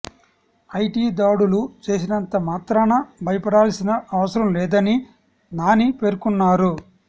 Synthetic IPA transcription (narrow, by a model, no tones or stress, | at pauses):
ɐjʈiːd̪aːɽulut͡ʃe̞ːs̬inɐnt̪ɐmaːt̪ɾaːnɐbʱɐjɐpɐɽaːlsinɐʔɐʋɐsɐɾɐmlɛːd̪ɐni | naːnipe̞ːɾkunːaːɾu